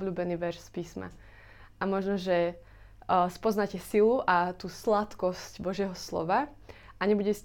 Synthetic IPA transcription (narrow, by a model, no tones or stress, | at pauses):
bʎuːbɛniːʋɛɾʃspiːsma̰ | ʔamɔʒnɔʒɛ | spɔznacɛsiluʔat̪uːslat̪kɔscbɔʒɪɛɦɔslɔ̰ʋa | ʔaɲɛbuɟɛs